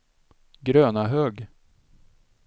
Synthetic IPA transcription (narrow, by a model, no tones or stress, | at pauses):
ɡɾøːnaɦøːɡ